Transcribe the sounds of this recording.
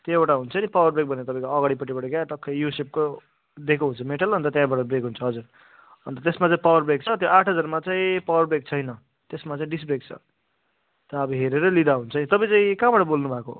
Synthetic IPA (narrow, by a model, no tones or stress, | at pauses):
t̪eeʈaɦunt͡sʰʌnipawʌrbrek̚bʱʌnet̪ʌpãĩkoʌɡaɽipʌʈːipʌʈekaʈʌkʰːʌjusep̚ko | d̪ekoɦunt͡sʰʌmeʈʌlʌnt̪ʌt̪jãbaʈʌbrekɦunt͡sʰʌɦʌd͡zur | ɦʌ̰nt̪ʌt̪esmat͡saĩpawʌrbrek̚t͡sʰʌt̪joʔaʈʰɦʌd͡zʌɾmat͡saĩpawʌrbrek̚t͡sʰʌjnʌ | t̪esmat͡saĩɖisbrek̚t͡sʰʌ̰ | t̪ʌːbʌɦeɾeɾʌlid̪aɦunt͡sʰʌnit̪ʌpãĩt͡sãĩkãbaʈʌbolnubʱako̰